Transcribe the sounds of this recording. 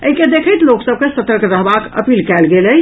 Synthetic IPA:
əɦiked̪ekʰəjt̪loksəb̚kesət̪əɾkɾəɦbakə̰pilkɛlɡeləj

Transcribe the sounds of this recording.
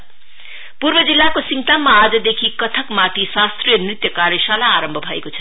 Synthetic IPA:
purbʌd͡zilːakosiŋʈ̪amːaːd͡zʌd̪ekʰikʌt̪ʰʌkmaʈ̪isast̪rijʌnrit̪jʌkarjʌsalaːɾʌmbʱʌbʱʌḛkot͡sʰʌ̥

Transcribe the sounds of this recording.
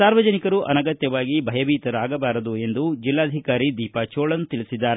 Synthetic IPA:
saːɾʋɐd͡ʒɐnikɐɾuʔɐ̰nɐɡɐt̪jɐʋaːɡibʱɐjɐbiːt̪ɐɾaːɡɐbaːɾɐd̪ue̞nd̪ud͡ʒilːaːd̪ʱikaːɾid̪iːpat͡ʃoːɭɐnːut̪iɭisid̪ːaːɾe

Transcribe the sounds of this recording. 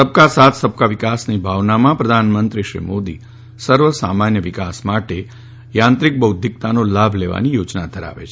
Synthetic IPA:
səb̚kasat̪ʰsəb̚kaʋɪkasnibʱaʋnamãpɾəd̪ʱanmənt̪ɾiʃɾḭmod̪i | səɾʋəsa̰manjəʋɪkasmaʈe | jãnt̪ɾik̚bəwd̪ʱik̚t̪anolabʱleʋa̰nijod͡ʒnad̪ʱəɾa̰ʋḛt͡ʃʰe

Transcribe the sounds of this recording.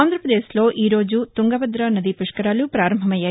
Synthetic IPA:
aːnd̪ɾɐpɾɐd̪eːslo̞ːʔiːɾo̞ːd͡ʒut̪uŋɡɐbɐd̪ɾɐɐnːɐd̪ipuʂkɐɾaːlupɾaːɾɐmbʱɐmɐjaː

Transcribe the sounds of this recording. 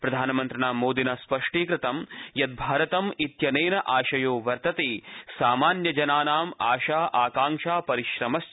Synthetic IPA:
pɾɐd̪ʱaːnɐmɐnt̪ɾɐnaːmoːd̪inɐspɐʂʈiːkɾɪt̪ɐmjɐt̪̚bʱaːɾɐt̪ɐmit̪jɐneːnɐʔaːʃɐjoːʋɐɾt̪ɐt̪eːsaːmaːnjɐd͡ʒɐnaːnaːmaːʃaːʔaːkaːŋʃaːpɐɾiʃɾɐmɐs

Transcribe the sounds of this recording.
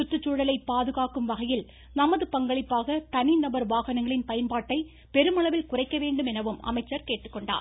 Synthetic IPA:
ʊt̪ːɯt͡ʃːuːɽɐlɐɪpːaːðɯɣaːkɯmʋɐɣɐjɪl | nɐmɐðɯpɐŋɡɐɭɪpːaːɣɐt̪ɐninɐbɐɾʋaːɣɐnɐŋɡɐɭɪnpɐjɐnpaːʈːɐɪ | pɛɾɯmɐɭɐʋɪlkʊrɐɪkːɐʋeːɳɖɯmɛnɐʋɯmɐ̰mɐɪt͡ʃːɐɾkeːʈːɯkːɔɳɖa̰ː

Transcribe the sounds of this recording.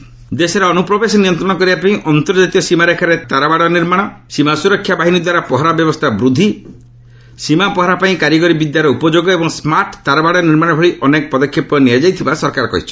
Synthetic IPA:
d̪esɔɾeɔnupɾɔbesɔniɔnt̪ɾɔɽ̃ɔkɔɾibapaĩʔɔnt̪ɔɾd͡ʒat̪iɔsimaɾekʰaɾet̪aɾabaɽɔniɾmaɽ̃ɔsimasuɾɔkʰːjabaɦinid̪waɾapɔɦɔɾabjɔbɔst̪ʰabɾud̪ʱːi | simapɔɦɔɾapaĩkaɾjɔkɔɾibid̪jaɾɔupɔd͡ʒoɡɔebɔŋsmaɾʈt̪aɾabaɽɔniɾmaɽ̃ɔbʱɔɭiʔɔnekɔpɔd̪ɔkʰjɔpɔniad͡ʒajt̪ʰibasɔɾkaɾɔkɔ̰ɦḭt͡ʃʰi̥

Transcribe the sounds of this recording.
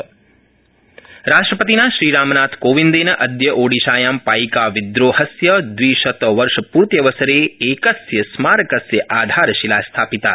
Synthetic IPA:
ɾaːʂʈɾɐpɐt̪inaːʃɾiːɾaːmɐnaːt̪ʰkoːʋind̪eːnɐʔɐd̪jɐʔoːɽiʃaːjaːmpaːjkaːʋid̪ɾoːhɐsjɐd̪ʋiːʃɐt̪ʋɐɾʃɐpuːɾt̪jɐʋɐsɐɾeːeːkɐsjɐsmaːɾɐkɐsjɐʔaːd̪ʱaːɾɐʃilaːst̪ʰaːpit̪a̰ː

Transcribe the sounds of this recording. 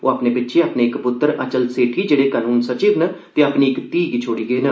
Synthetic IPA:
o̰ːaːpneːbɪtːʃeːaːpneːɪkpʊt̪ːəɾət͡ʃəlseːʈʰiːd͡ʒeːɽeːkaːnuːnsət͡ʃiːʋnət̪eːaːpniːɪkt̪iːɡt͡ʃʰoːɽiːɡeːnə

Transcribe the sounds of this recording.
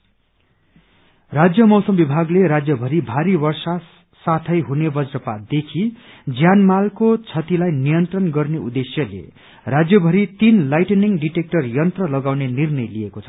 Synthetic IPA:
rad͡zjʌmʌwsʌmbibʱaɡleɾad͡zjʌbʱʌɾibʱaɾibʌrsa | sat̪ʰʌjɦunebʌd͡zrʌpad̪ekʰi | d͡zjanmalkot͡sʰʌt̪ilajnijʌnt̪rʌnɡʌrneud̪esjʌlḛ | rad͡zjʌbʱʌɾit̪inlajʈeniŋɖiʈek̚ʈʌrjʌnt̪rʌlʌɡawnenirnʌjlijekot͡sʰʌ

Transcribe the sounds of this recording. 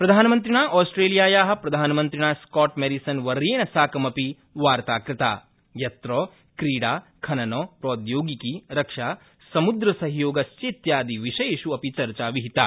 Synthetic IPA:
pɾɐd̪ʱaːnɐmɐnt̪̬ɾiɳaːʔɔːsʈɾeːlijaːjaːɦɐ̆pɾɐd̪ʱaːnɐmɐnt̪ɾiɳaːskɔːʈmeɾisɐnʋɐɾeːɳɐsaːkɐmɐpi | ʋaːɾt̪aːkɾɪt̪a̰ː | jɐt̪ɾɔː | kɾiːɽaːkʰɐnɐnɔːpɾoːd̪joːɡikiɾɐkʂaː | sɐmud̪ɾɐsɐɦjoːɡɐst͡ʃeːt̪jaːd̪iʋiʃɐjeʃuɐpit͡ʃɐɾt͡ʃaːʋiɦit̪aː

